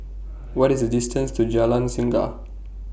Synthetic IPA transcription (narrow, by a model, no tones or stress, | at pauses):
wɔɾizədistʰə̃nstʰud͡ʒalãnsĩŋɡa̰